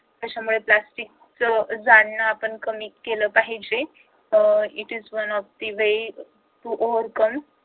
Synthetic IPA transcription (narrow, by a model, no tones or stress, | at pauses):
t̪aɕamuɭeplasʈik̚t͡səd͡zanːaːpəɳkəmiːkːeləːpaɦid͡ʑe | iʈizʋənɔfd̪iʋe | ʈuʔoʋəɾkəm